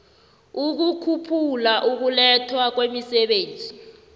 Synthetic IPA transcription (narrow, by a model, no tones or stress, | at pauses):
uk̬ukʰupʰulaʔuk̬ulɛtʰwak̬wemisɛɓeːnd͡zʱi